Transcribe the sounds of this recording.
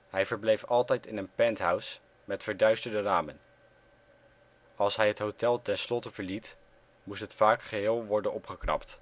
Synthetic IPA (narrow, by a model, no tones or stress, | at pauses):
ɦɛjvəɹblejfɑlˠtɛjtɪnənpɛntɦœws | mɛtfəɹdœɥstəɹdəraːmən | ɑlˠsɦɛjɦətɦowtɛlˠtɛnslɔtəvəɹlit | mustɦətfaːkχəɦɪːlˠʋɔɹdənʔɔpχəknɑ̰pt